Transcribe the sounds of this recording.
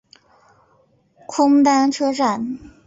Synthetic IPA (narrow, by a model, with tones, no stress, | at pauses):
kʰʊ˥ŋt̪a˥nʈ͡ʂʰɤ˥ʈ͡ʂa˨˩n